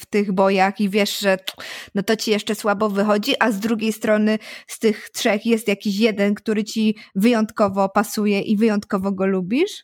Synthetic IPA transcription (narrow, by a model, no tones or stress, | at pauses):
ft̪ɘɣbɔjaxivʲjɛʂʐɛnɔt̪ɔt͡ɕijɛʂɛswabɔvɘxɔd͡ʑiʔazd̪ɾuɡʲejst̪ɾɔnɘst̪ɘxtʂɛxjɛst̪jakʲiɕjɛd̪ɛnkt̪uɾɘt͡ɕivɘjɔnt̪kɔvɔpasujɛʔivɘjɔnt̪kɔvɔɡɔlubʲiʂ